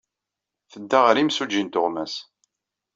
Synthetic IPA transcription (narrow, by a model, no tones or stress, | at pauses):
θəd̪ːaʁɾimsud͡ʒint̪ʊʁmæs